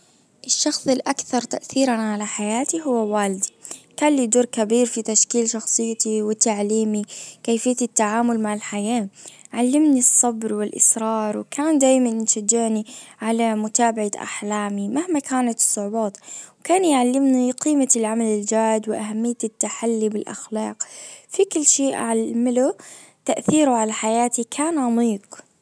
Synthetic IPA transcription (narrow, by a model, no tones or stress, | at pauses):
ʔɪʃːɑxsˤɪlʔakθɑɾˤt̪aʔθiːɾanʕalaħajaːt̪iɦʊwːawaːld̪ikaːnliːd̪uːɾkabiːɾfit̪aʃkiːlʃɑxsˤɨjːt̪iwɪt̪aʕliːmikaːfɪjːat̪ɪt̪ːaʕaːmʊlmaʕɪlħajaːʕalːɪmnisˤːɑbɾwɪlʔɪ̰sɾˤɑːɾˤwɪkʰaːnd̪aːjmannʃad͡ʒːɪʕniʕalamʊt̪aːbaʕaʔa̰ħlaːmimahmakʰaːnat̪ɨ̥sˤːʊʕbɑːt̪wkaːnjʕalːɪmniqiːmalʕamalɪld͡ʒaːd̪wɪʔahamːɪjːat̪ɪt̪ːaħalːibɪlʔa̰xlɑːqfikɪlːʃeːʔaʕalmalu | t̪aʔθiːɾʊʕalaħajaːt̪ikʰaːnʕɑmiːq